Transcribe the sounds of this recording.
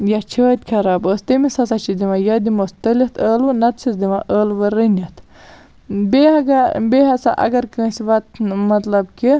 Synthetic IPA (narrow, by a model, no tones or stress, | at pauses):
jat͡ʃʰəːt̪̚ʲkʰɐɾaːbəːst̪imisɐsat͡ʃʰid̪iʋajɐd̪imost̪ɐlit̪ʰəːlɨnɐt̪t͡sʰisd̪imaʔəːlʋɐɾinʲɐt̪ʰ | beɐɡɐbeɦɐsa̰ʔɐ̰ɡɐɾkə̃ːsiʋɐt̪̚mɐt̪lɐbki